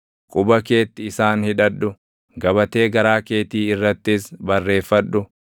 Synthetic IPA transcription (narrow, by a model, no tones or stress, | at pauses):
kʼʊbɐke̞ːt̪ːɪɪsaːnhɪᶑɐᶑːʊ | ɡɐbɐt̪e̞ːɡɐɾaːke̞ːt̪iːɪrːɐt̪ːɪsbɐrːe̞ːfːɐᶑːʊ